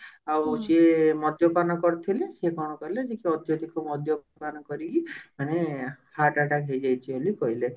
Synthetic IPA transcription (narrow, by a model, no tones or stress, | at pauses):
awsemɔd̪jɔpanɔkɔɾt̪ʰilesekɔɽ̃ɔkɔɦiled͡ʒekiɔd̪jɔt̪ikɔmɔd̪ʱjɔpanɔkɔɾiɡimañehaʈaʈaɡʱejd͡ʒajt͡ʃʰiolikɔɦile